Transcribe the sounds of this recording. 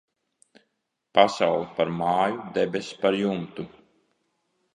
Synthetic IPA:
pasawlˠɛpaɾmaːjud̪ɛbʲespaɾjumt̪u

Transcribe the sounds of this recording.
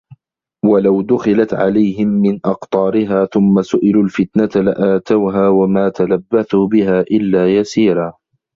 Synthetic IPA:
walawd̪ʊxɪlat̪ʕa̰lajhɪmːɪnʔɑqt̪ˤɑːɾɪɦaːθʊmːasʊʔɪluːlfɪt̪nat̪alɪʔaːt̪awɦaːwamaːt̪alabːaθuːbɪɦaːʔɪlːaːjasiːɾaː

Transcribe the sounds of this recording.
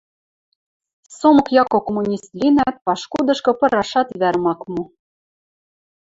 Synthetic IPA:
somɤ̆kjɑkokomunʲist̪lʲinæt̪̚pɑʃkud̪ɤ̆ʃkɤ̆pɤ̆ɾɑʃɑt̪βæɾmɑkmu

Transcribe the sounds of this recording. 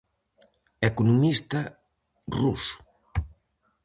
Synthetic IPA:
ekunumist̪ɐ | rus

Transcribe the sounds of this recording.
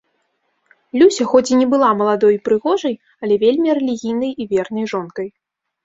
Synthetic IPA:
lʲusʲɐxɔt͡sʲinʲɛbɨlˠamɐlˠad̪ɔjpɾɨɣɔʐɐj | ɐlʲɛvʲelʲmʲiɾɛlʲiɣʲijnɐjivʲɛrnɐjʐɔnk̪ɐj

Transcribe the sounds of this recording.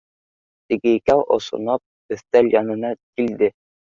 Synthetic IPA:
t̪ɘ̆ɡɘikæwʔŏ̰sŏ̰nɑp̚ | ɵ̆θt̪ælʲjɑnɤ̆nɑkild̪ɘ

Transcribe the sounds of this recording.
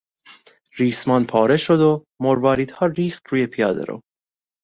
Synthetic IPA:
ɾiːsmɒːnpʰɒːɾeʃod̪o | moɾvɒːɾiːd̪̥hɒːɾiːxt̪ɾuːjepʰijɒːd̪ḛɾo̰

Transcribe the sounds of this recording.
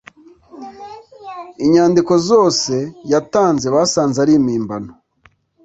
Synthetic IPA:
iɲaːndiko̞zo̞ːse̞jataːnze̞βaːsaːnzaɾiːmiːmbano

